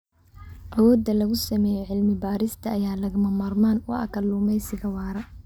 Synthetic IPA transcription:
ʔɐwɔːd̪ːɐlɐɣʊsɐmɛːjɛʕɪlmɪbaːɾɪst̪ʰɐːjaːlɐɣɐmɐmaːrmaːnwɑ̰ɐ̰kʰɐlːʊːmɛjsɪɣɐwɑːɾɐ

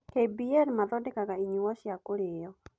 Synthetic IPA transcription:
hebiɛɾmaðɔdekakaiɲuwɔʃjakʊɾɪjɔ

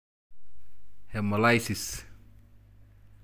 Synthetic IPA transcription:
hɛmolajsis

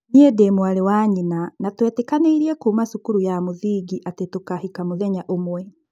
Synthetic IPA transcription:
niedemoaɾewaɲinanatwɛtekaneiɾiɛkuːmasukuɾujamoðiːɡiʔatetokahikamoðɛɲaʔomwɛ

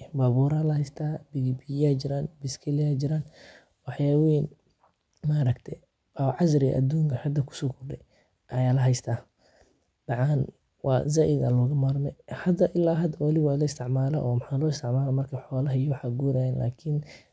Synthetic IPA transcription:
baβuːɾɐlɐhɛjst̪ʰaːbɪɣibiaːt͡ʃɪɾaːnbɪskʰɛlɪjaːd͡ʒɪɾaːn | wɑħjaːwiːn | maɾɐkt̪ʰɛ | ʔɔʕɑzɾɪ̰ʔɐ̰d̪uːŋkʰɐħad̪ɐkʰʊ̥sɔːkʰʊrdɛj | ʔɐjaːlɐɦɛjst̪ʰaː | b̥ɑʕɑn | wɑ̰ːzaːʔɪdɐ̰lɔːɣɐmaɾmɛjhɐd̪ɐʔɪlːaːɦɐd̪ɐwɑlɪwaːlɐɪst̪ʰɪʕmaːlɛ̰ʔɔːmħaːlɔːɪst̪ʰɪʕmaːlɐmɐrkʰɐħɔːlɐɦɐjɔwħaːɡuːɾaːjɛːnla̰ːkʰɪn

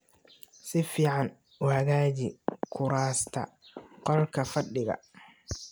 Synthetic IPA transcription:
sɪfiːʕɑn | ʔʊhɐɣaːt͡ʃɪkʰʊɾaːst̪ʰɐ̰qɔlkʰɐfɐɖɪɣɐ̰

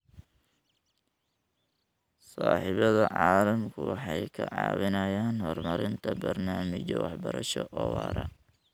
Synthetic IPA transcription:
sɑːħɪβɐðɐʕɑːlɐmkʰʊwɑħɑjkʰɐʕɑːwɪnɐjaːnhɔrmɐɾɪnt̪ʰɐbɐrnaːmɪt͡ʃɔwɑħbɐɾɐ̰ʃɔʔɔːwɑ̰ːɾɐ̰

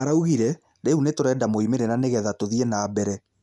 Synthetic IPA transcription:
aɾauɣiɾɛ | ɾeunetoɾɛːdamoimeɾeɾaneɣɛðatoðienaːbɛɾɛ

